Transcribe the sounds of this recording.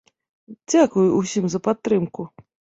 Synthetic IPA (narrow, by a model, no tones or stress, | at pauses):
d͡zʲakujʊusʲimzɐpat̪ːɾɨmkʊ